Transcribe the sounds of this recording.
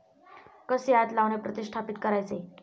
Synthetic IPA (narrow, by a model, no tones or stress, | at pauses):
kəsjat̪laʋnepɾət̪iɕʈʰapit̪̚kəɾajt͡se